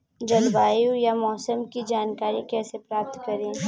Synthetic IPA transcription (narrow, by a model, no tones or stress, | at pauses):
d͡ʒɐlbaːjujamɔːsəmkid͡ʒaːnkaːɾikɛːsepɾaːp̚t̪kɐɾẽː